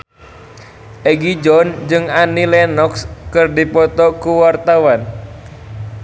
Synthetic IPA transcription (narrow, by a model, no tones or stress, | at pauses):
ʔɛɡid͡ʒɔnd͡ʒɨŋanilɛnɔkskɨrdipɔt̪ɔkuwart̪awan